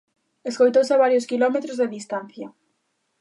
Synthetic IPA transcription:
eskojt̪owsaβaɾjʊskilɔmet̪ɾozðeðist̪an̟θjɐ

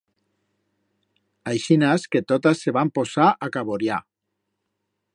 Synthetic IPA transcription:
ajʃinasket̪ot̪asːeβamposaʔakaβoɾja

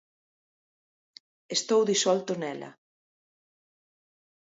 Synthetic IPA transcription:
est̪owðisɔlt̪ʊnɛlɐ̰

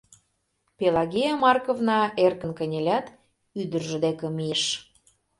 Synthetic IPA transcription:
pelɑɣijɑmɑrkovnɑerkə̆nkə̆nʲelʲæt̪ | yd̪ə̆rʒə̆d̪ekə̆mijeʃ

